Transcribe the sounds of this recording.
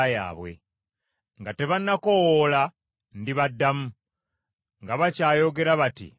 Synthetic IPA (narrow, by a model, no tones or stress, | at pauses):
ja̰ːβwe̞̰ | ŋɡate̞βanːakowola | ndiβadːamu | ŋɡaβacaːjo̞ɡe̞ɾaβatḭ